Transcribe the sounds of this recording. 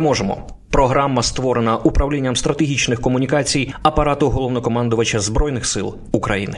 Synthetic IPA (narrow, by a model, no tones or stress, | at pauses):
mɔʒemɔ̰ | pɾɔɦɾamːɐst̪ʋɔɾenɐʔupɾɐwlʲinʲːɐmst̪ɾɐt̪eɦʲit͡ʃnɪxkɔmʊnʲikɑt͡sʲijɐpɐɾɑt̪ʊɦɔlˠɔwnɔkɔmɑnd̪ʊʋɐt͡ʃɐzbɾɔjnɪxsɪ̰lˠ | ukɾɐjinɪ